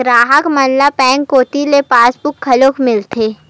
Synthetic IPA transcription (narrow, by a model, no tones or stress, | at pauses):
ɾaːɦəkmɐnlapɛ̃ːŋkːoːt̪ilepaːsbʊkʰːɐloːkmɪlt̪ʰeː